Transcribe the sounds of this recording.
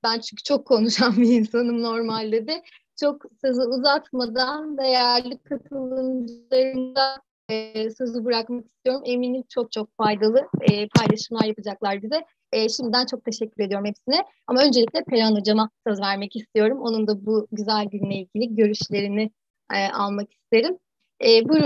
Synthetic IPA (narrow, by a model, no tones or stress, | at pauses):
bænt͡ʃʰyɲcʰy̥t͡ʃʰo̞kʰːo̞nuʃambiːnsanɯmno̞ɾmalʲd̪ed̪ɛ | t͡ʃʰo̞ksɯzɯuzat̪mad̪and̪e̞jæɾlʲikʰːat̪ʰɯlˠɯnd͡ʒlˠaɾɯnd̪a | sɯzɯbɯɾakmaki̥st̪ʰijo̞ɾumʔe̞miːnit͡ʃʰo̞k̚t͡ʃʰo̞k̚fajd̪alˠɯːpʰajlˠaʃɯmlˠaɾjapɯd͡ʒaklˠaɾb̪izɛ | ʃimd̪id̪ænt͡ʃʰo̞k̚t̪ʰe̞ʃɛcːyɾed̪ijɾumhɛpsinɛ | amaø̞nd͡ʒeicʲlʲɛpʰeɾanod͡ʒamasazvæɾmɛcist̪ʰijo̞ɾumo̞nund̪abuɟyzælʲɟinlʲeilʲɟʲilʲiɟø̞ɾyʃlʲe̞ɾinɪ | ɛːʔalˠmaki̥sst̪ʰe̞ɾim | ɛːbuɾ